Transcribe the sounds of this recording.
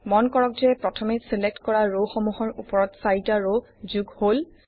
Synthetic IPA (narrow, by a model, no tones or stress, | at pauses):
mɔnkɔɹɔk̚zɛpɹɔtʰɔmesilek̚tkɔɹaɹowxɔmuhɔɹupɔɹɔtsaɹitaɹo | zuɡhol